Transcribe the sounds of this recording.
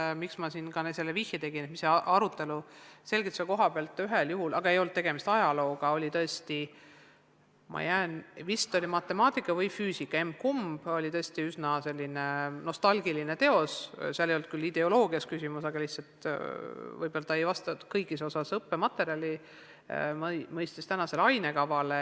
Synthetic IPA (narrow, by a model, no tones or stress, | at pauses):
miksmɑsinɡɑnese̞lːevihjɑt̪e̞ɡ̥inet̪misːeɑɾut̪ːe̞luse̞lɡit̪sɑko̞ɦɑb̥eɑlt̪ːˑyɦeljuɦulʔɑɡ̥ɑe̞jo̞lt̪̚t̪e̞ɡ̥e̞mist̪ɑjɑlo̞ːɡ̥ɑo̞lʲit̪ɤe̞st̪i | mʔɑ̰jæenvist̪ˑo̞lʲimɑt̪ːˑe̞mɑːt̪ˑikːˑɑvɤjfyːsikːˑɑe̞m̚kumb̥o̞lʲit̪ɤ̞e̞st̪iysnɑse̞lʲːineno̞st̪ɑlɡ̥iline̞t̪e̞o̞sseɑlːejolt̪̚kylːid̪e̞o̞lo̞ːɡiɑskysʲimusɑɡɑlihtsɑlt̪ | vɯjb̥o̞lɑt̪ɑejvɑst̪ɑkɤjɡisosɑsɤpːemɑt̪ːˑe̞ɾiɑlʲi | mmɤjst̪ist̪ænɑse̞lɑjne̞kɑvɑle